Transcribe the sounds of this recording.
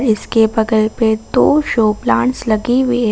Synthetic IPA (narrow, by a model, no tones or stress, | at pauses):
ɾɪskebɐɡəlped̪oːʃoːplãːɳʈslɐɡiwi